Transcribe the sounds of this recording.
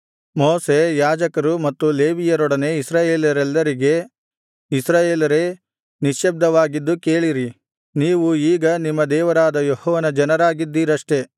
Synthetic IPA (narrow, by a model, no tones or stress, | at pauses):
moːse̞jaːd͡ʒɐkɐɾumɐt̪ːuleːʋijɐɾɔɽɐne̞isɾaːje̞ːlijɐɾɛlːɐɾiɡe̞ | isɾaːje̞ːlɐɾe̞ | niʃjɐb̚d̪ɐʋaːɡid̪ːuke̞ːɭiɾi | niːʋuiːɡɐnimːɐd̪ɛːʋɐɾaːd̪ɐjohɔːʋɐnɐd͡ʒɐnɐɾaːɡid̪ːiːɾɐʂʈe̞